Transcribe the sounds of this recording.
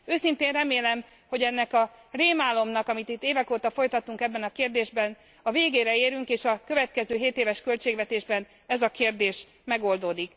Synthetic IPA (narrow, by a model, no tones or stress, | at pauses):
øːsint̪eːnrɛmeːlɛm | ho̞ɟɛnːɛkɒreːmaːlo̞mnɒkɒmit̪it̪ːeːvɛkoːt̪ɒfo̞jt̪ɒt̪uŋkɛbːɛnɒkeːrd̪eːʒbɛn | ɒveːɡeːɾɛeːɾyŋkeːʃɒkøvɛt̪kɛzøːɦeːt̪eːvɛʃkø̞lt͡ʃeːɡvɛt̪eːʒbɛn | ɛzɒkeːrd̪eːʃ | mɛɡo̞ld̪oːd̪ik